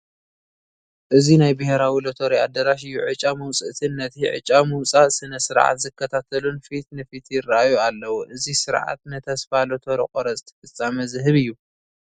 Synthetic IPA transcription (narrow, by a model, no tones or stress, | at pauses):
ʔɨzinajbɐheɾawilot̪ʰo̞ɾiad̪ɐɾaʃ̬ɨjːuʕɨt͡ʃʼamɐwt͡sʼɨʔt̪ʰɨnːɐt̪ʰiʕɨ̰t͡ʃʼamɨwt͡sʼaʔsɨnɐsɨɾʕa̰t̪zɨkːɐt̪ʰat̪ʰɐlunfit̪nɨfit̪ʰjɪraʔajualːɐwuʔɨzisɨɾʕa̰t̪nɨt̪ʰɐsfalot̪ʰoɾḭkʼoɾɐzɨt̪ʰɐ̥fɨt͡sʼːamɐzɨɦɨβɨjːu